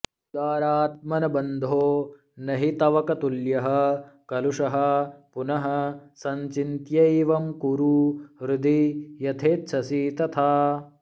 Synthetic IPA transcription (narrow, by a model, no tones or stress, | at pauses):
ud̪aːɾaːt̪̚mɐnɐbɐnd̪ʱoː | nɐɦit̪ɐʋɐkɐt̪uljɐɦɐkɐluʂɐɦɐ̆punɐɦɐ̆sɐɲt͡ʃint̪jɐiʋɐmkuɾuɾud̪ijɐt̪ʰeːt̪t͡ʃʰɐsiːt̪ɐt̪ʰaː